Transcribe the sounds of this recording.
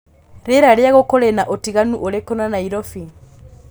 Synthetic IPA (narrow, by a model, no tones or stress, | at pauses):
ɾeɾaɾjaɣokoɾenaʔotiɣanuʔoɾekɔnanaiɾɔfi